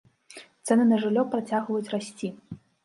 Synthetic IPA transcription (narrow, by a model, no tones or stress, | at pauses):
t̪sɛnɨnɐʐɨlʲːɔpɾat͡sʲaɣvɐjut͡sʲrasʲt͡sʲi